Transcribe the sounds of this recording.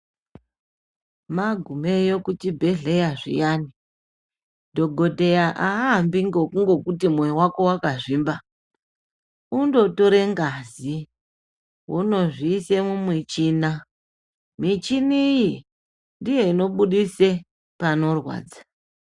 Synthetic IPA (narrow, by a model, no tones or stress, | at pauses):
maɡʱume̞jokut͡ʃibʱe̞ɮe̞jaʐḭjani | dʱo̞ɡʱo̞tejaʔaambiŋɡokuŋɡo̞kutimweiwako̞wakaʐiːmba | undo̞to̞ɾe̞ŋɡazi | wʔono̞ʐiːse̞mumwit͡ʃiːna | mit͡ʃiniji | ndije̞ino̞ɓuɗise | pano̞rwa̰ːd͡za